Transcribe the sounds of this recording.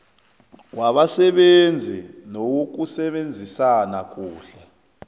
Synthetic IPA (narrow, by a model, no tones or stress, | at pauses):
waɓasɛɓend͡zʱinowok̬usɛɓend͡zʱisanak̬uːɬɛ